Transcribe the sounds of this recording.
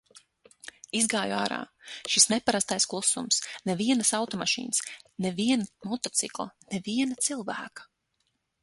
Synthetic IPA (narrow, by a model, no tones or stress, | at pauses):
izɡaːjuaːɾa̰ːʃisnɛpaɾast̪ajsklˠusumsnɛviɛnɐsawt̪ɔmaʃḭːnsnɛviɛnamɔt̪ɔt̪sḭklˠɐ̰nɛviɛnɐt̪silˠvæ̰ːkḁ